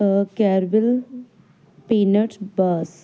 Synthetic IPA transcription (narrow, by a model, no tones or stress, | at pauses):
kɛːɾbɪl | peːnəʈbəs